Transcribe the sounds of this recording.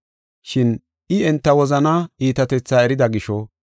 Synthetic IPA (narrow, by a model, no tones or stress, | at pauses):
ʃɪn | ʔɪɛnt̪ːɐwɔzɐnɐiːt̪ɐt̪ɛt͡sːaːɛɾɪd̪ɐɡɪʃɔ